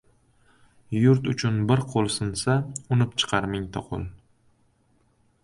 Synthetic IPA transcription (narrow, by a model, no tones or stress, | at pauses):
jʊɾt̪ʊt͡ʃʰʊnbɪɾqʰolˠsɨnsaʊnɪpt͡ʃʰɨ̥qʰɑɾmɪŋʲt̪ʰa̰qʰo̰lˠ